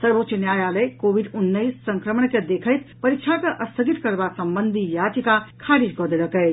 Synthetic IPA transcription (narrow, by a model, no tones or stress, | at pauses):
səɾbot̪t͡ʃənjajaləjkobiɖunːəjssəŋkɾəməɳked̪ekʰəjt̪ʰpəɾik̚t͡ʃʰakeʔəst̪ʰəɡit̪kəɾbasəmbənd̪ʱijad͡ʒikakʰaɾid͡ʒkɔd̪eləkə